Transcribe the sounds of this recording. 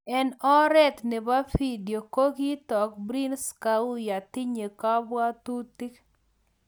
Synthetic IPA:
ɛ˦nɔ˦ɾɛ˦t̪ne˨ba˦fi˦di˨o˨ko˦ki˦t̪ɔ˨k̚bɾi˦nska˨u˦ja˨t̪ɪ˦ɲe˨ka˦ba˦t̪u˦ti˦k

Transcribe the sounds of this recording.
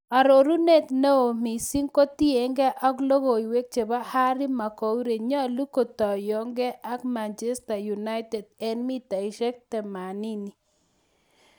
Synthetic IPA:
a˨ɾo˨ɾu˦ne˦t̪no˦o˨mi˨si˦ŋko˦t̪i˦e˨ŋɡɛ˦ʔɔ˦klo˦ɣo˨i˨we˦k̚t͡ʃe˨ba˦ha˦ɾi˦ma˨ko˨u˦ɾe˨ɲɔ˦˨lu˦ko˨t̪ɔ˨jɔ˨˦ŋɡɛ˦ʔa˦kma˨nt͡ʃɛ˦sta˨ju˨na˦ɪtɛ˨d̚ɛ˦nmi˦t̪a˨i˨ʃɛ˦k̚tɛ˨ma˨ni˦ni˨

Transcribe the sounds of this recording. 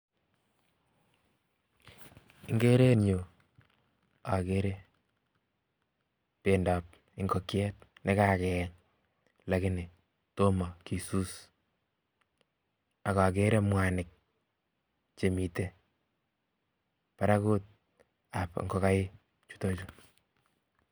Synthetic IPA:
ɪ˦ŋɡe˦ɾe˦ɲo˨ | a˨ke˦ɾe˦ | pe˨nda˨p̚ | ɪ˦ŋɡɔ˦kjɛ˦t̚ne˦ka˨kɛ˨ɲ | la˨˦kɪ˦nɪ˨ | to˦mɔ˨ki˨su˦s | a˨ka˨k̬e˦ɾe˦mwa˨nɪ˨k̚ | t͡ʃe˨mi˨te˦ | pa˨ɾa˦ko˦t̚ | a˨pŋɡɔ˦ka˦jɪ˦ | t͡ʃu̥˦tɔ˦t͡ʃo˦

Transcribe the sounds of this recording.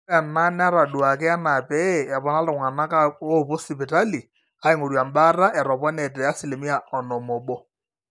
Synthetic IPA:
ɛ˨ma˦n˦a˦ɾa˨du˨a˨kɪ˦a˦na˨pɛ˦˨a˨pɔ˦na˦lʊ˨ŋa˨na˦ka˦o˦˨po˦sɪ˨bɪ˨ta˦li˨ | a˦ɪ˦˨ŋo˨ɾja˨mba˦ra˦ʔɛ˨ɾɔ˨pɔ˦nɛ˨tɛ˨a˦si˨le˨mi˦a˨ɔ˨nɔ˨mɔ˨ɓɔ˦

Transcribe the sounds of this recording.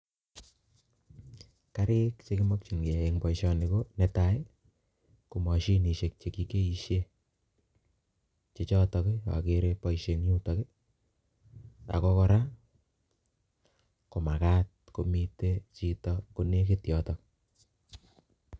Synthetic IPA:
ka˦ɾe˦kt͡ʃe˦kɪ˦mɔ˦k̚t͡ʃi˨ŋke˨a˨e˨ŋbɔ˨iʃɔ˧ni˨ko˦ne˨ta˨˦j | ko˨mɔ˨ʃi˦ni˨ʃe˨k̚t͡ʃe˨ki˨˦ke˦i˨ʃe˦ | t͡ʃe˨t͡ʃɔ˦tɔ˨ke˦a̰˨ke˦ɾe˦pɔ˦iʃe˨ŋɲu˦tɔ˨kɪ˦ | a̰˨kɔ˦kɔ˧ɾa˦ | ko˨ma˨ka˦t̚ko˨mi˨te˦t͡ʃi˨tɔ˦ko˨ne˦ke˦tjɔ˨tɔ˨k

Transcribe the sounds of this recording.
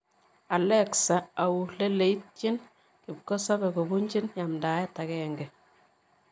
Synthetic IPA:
a˨lɛ˦ksa˨a˨wu˨le˦le˨i˦t̚t͡ʃɪ˦n | kɪ˨p̚ko˦sa˦bɛ˨ko˨bu˦ɲt͡ʃi˦nja˨mdaː˨˦jɛ˦ta˨kɛ˨ŋɡɛ˨

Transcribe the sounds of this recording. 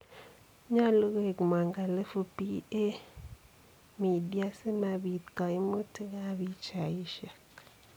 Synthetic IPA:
ɲa˦lo˦ɡe˨ɡm˨a˨ŋɡa˨le˦fu˦pi˦e˦ | mi˨di˦a˦se˦ma˨bi˨t̪kɔ˨i˦mo˦te˦ɡa˦bi˦t͡ʃa˨i˦ʃa˨k

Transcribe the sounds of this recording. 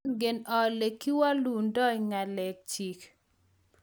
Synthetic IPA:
nɡɪ˨nɔ˨le˨kːi˦wa˦lu˨ndɔ˦iŋa˨lɛ˨k̚t͡ʃi˨k

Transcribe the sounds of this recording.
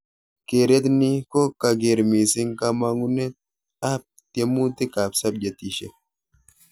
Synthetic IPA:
keː˨ɾɛ˦t̪ni˦ko˦kːɐ˨ɡe˨ɾmiː˨sɪ˦ŋkɐ˦ma˦ŋʊ˦nːɛ˦ | a˦p̚t̪ɛ˦mːuː˦t̪ːɪ˦kaː˨bsɐ˦b̚d͡ʒɛ˨t̪ːi˨ʃɛ˦

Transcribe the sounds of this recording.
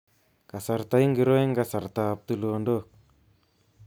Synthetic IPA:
ka˨sa˨ɾt̪a˨˦i˦ŋɡi˨˦ɾo˦e˦ŋɡa˨sa˨ɾt̪a˨p̚t̪u˦˨lo˨ndo˦

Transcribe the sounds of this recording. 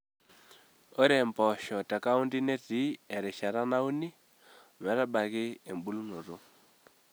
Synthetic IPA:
o˦ɾɛ˨mbɔ˨ʃɔ˨ta˨ka˦u˦ndi˦nɛ˦ti˨˦ɛ˨ɾɛ˨ʃa˨ɾa˦na˦u˦ni˦˨ | mɛ˨ɾa˦ba˨ɣɪ˦e˨m˨bu˦lu˦no˨ɾo˦

